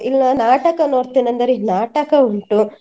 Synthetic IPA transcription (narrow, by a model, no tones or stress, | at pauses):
ilnɐnaːʈɐkɐnoːɽt̪inɐnd̪ɐɾinaːʈɐkɐuɳʈu